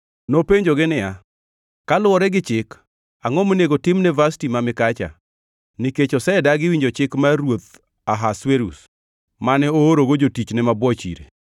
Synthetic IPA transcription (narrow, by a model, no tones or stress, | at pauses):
nopeɲd͡ʒoɡɪnɪja | kalʊɔɾɛɡɪt͡ʃɪk | aŋɔmoneɡotɪmnɛvastimamɪkat͡ʃa̰ | niket͡ʃɔsɛdaɡɪwiɲd͡ʒot͡ʃɪkmaɾwot̪ | aɦasweɾus | manɛooɾoɡod͡ʒotit͡ʃnɛmabwɔt͡ʃḭɾḛ